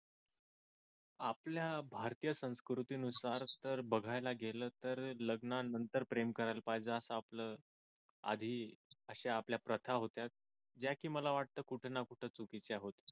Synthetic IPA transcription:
apljabʱaɾt̪iːjəsə̃w̃skɾut̪iːnusaɾt̪əɾbəɡʱajlaɡeləːt̪əɾləɡnanənt̪əɾpɾemkəɾajlpajd͡zəːsaːpləː | a̰d̪ʱiːəɕeapljapɾət̪ʰaɦot̪jat̪̚ | d͡ʑjakiːməlaʋaʈ̚t̪əːkuʈʰnakuʈʰət͡sukit͡sjaɦot̪ə̥

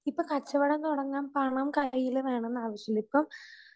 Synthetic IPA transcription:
ipːɐkɐt͡ɕːɐʋɐɽɐnt̪ɔɽɐŋːaːmpɐɳɐmkɐjːilumaːɳenːaːʋɐɕjɐlipːom

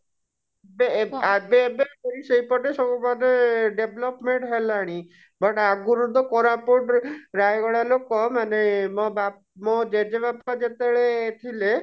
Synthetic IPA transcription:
beabebeɾisejpɔʈesɔbumad̪eɖeblɔpmeɳʈɦelaɽ̃i | bɔʈaɡuɾud̪ʱɔkɔɾapoʈɾajɡɔɭalokɔmanemɔba | mod͡ʒed͡ʒebapad͡ʒet̪eɭet̪ʰile

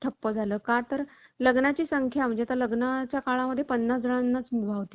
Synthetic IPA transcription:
ʈʰəpːəd͡zʱaləːkat̪əɾləɡnat͡ɕiːsəŋkʰjam̤əɳd͡ʑet̪əɾləɡnat͡ɕjakaɭaməd̪ʱːjepənːasd͡zəɭanːat͡smibʱaʋt̪i̥

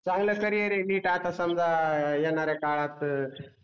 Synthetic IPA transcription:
t͡sãŋɡləkəɾijeɾeniːʈat̪ʰasəmd͡zʱajenaɾekaɭat̪

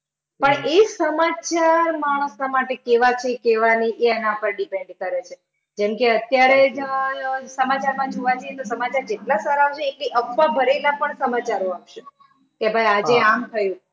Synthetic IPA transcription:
pəɳesəmat͡ʃaɾmaɽ̃əsnamaʈekeʋat͡ʃʰekeʋaniʔeənãpəɾɖipeɳɖkəɾet͡ʃʰe | d͡ʒɛmkeət̪jaɾed͡ʒ | səmat͡ʃaɾmãd͡ʒoʋat͡ʃʰəjet̪osəmat͡ʃaɾd͡ʒeʈlasaɾaot͡ʃʰeːkliʔəpːabʱəɾelapəɳsəmat͡ʃaɾoapʃe | kebʱajad͡ʒeamt̪ʰəjũ

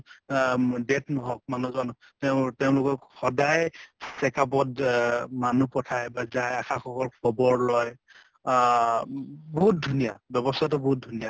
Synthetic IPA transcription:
detnɔɦɔk̚manuzanɔ | tɛʊtɛʊ̃lʊkɔxɔdajsɛkap̬ɔdmanupɔtʰajbazajaxaxɔkɔɹkʰɔbɔɹlɔj | bɔɦut̚dʱunijabjɔbɔstʰatɔbɔɦut̚dʱunija

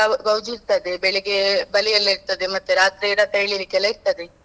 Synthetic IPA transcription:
aɡɐwd͡ʒud̪̚t̪ɐd̪ebeɭeɡebɐlijɐlːeɾt̪ɐd̪emɐt̪ːeɾaːt̪ɾeːɾat̪ɐjɭiɾikɐleiɾ̚t̪ɐd̪e

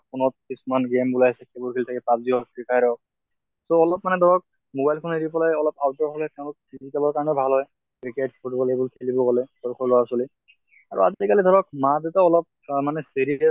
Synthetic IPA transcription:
punɔt̚kisumanɡembulajasɛkʰebuɹkʰelit̪ʰakɛpab̚ziɔkɹikʰajɾɔɔk̚ | soɔlɔp̚manɛd̪ʱɔɹɔk̚ | mobajlkʰɔneɾipɔlajɔlɔpaʊdɔɹʱɔlɛtɛʊ̃lʊk̚izitabɔɹkaɹɔnɛbʱalɦɔj | kɹikatspotbɔlejbulkʰelibɔɡɔlɛsɔɹkʰɔɹlɔwasoli | a̰ɹṵa̰zikalid̪ʱɔɹɔk̚madetaɔlɔp̚manɛseɹiɛ

